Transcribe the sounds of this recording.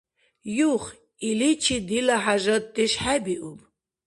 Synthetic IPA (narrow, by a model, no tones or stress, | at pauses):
juχ | ilit͡ʃʰid̪ilaħaʒɔt̪ʼːiʃħabiʔub